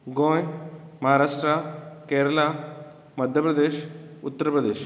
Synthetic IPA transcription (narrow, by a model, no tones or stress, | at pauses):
ɡoːjmɐɦaːɾaːʂʈɾakeːɾɐla | mɐd̪ʱjəɐpɾɐd̪eːʃut̪ːɐɾɐpɾɐd̪eːʃ